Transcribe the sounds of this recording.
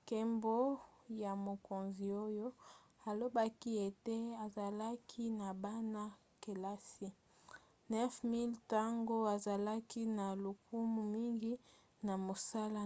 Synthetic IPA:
ke˨mbo˦ja˨mo˨ko˨nzi˨o˦jo˦ | a˨lo˦ba˦ki˦e˨te˦a˨za˨la˦kʰi˦na˨ba˦na˦ | ke˨la˦si˦ | nɛ˦fmi˦lta˦ŋɡo˦a˨za˨la˦ki˦na˨lu˨ku˦mu˨mi˦ŋɡi˦ | na˨mo˨sa˦la˦

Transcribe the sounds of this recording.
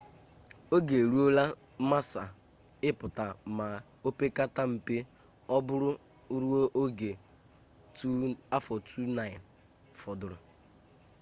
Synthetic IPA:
o˦ɡe˨ɾu˦o˦la˦ | ma˦sa˨ | ɪ˦pʊ˨ta˨ma˨ | o˦pe˦ka˦ta˦m̩˨pe˦ | ɔ˦bʊ˦ɾʊ˦ | ɾu˦o˦ʔo˦ɡe˨ | tu˦a˦fɔ˨tʰu˦na˦˨ɪ˨n | fɔ˨dʊ˨ɾʊ˨

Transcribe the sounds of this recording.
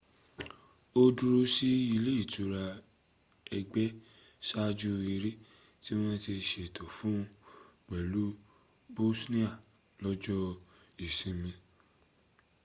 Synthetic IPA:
o˧du˧ɾo˧si˦i˧le˦i˦˨tu˨˧˦ɾa˧ | ɛ˧ɡ͡bɛ˦ | sa˦d͡ʒu˦i˧ɾe˦ | ti˦w̃ɔ̃˦ti˧ʃe˧˨tʰɔ˨fũ˨˦ɡ͡bɛ˨lu˦bo˦snĩ˦a˦˨ | lɔ˦d͡ʒɔ˦ | i˨sĩ˨˧mĩ˧

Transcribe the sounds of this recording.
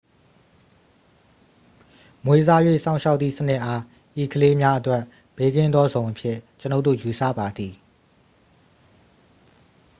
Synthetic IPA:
mwe˨za˦jwḛ˦˨sã˦˨ʊ̃ʃa˦ʊt̪θḭ˦˨sənɪ˦ʔa˦ | ʔi˨kʰəle˦mja˦ʔə˦twɛ˦˨ʔ | b̥e˦ɡɪ̃˦˨nd̪ɔ˦zõ˨ʊ̃ʔəpʰjɪ̰̃˦˨t͡ɕəno˦˨t̪ðo̰˦˨ju˨sä̰˦˨ba˨d̪ði˨

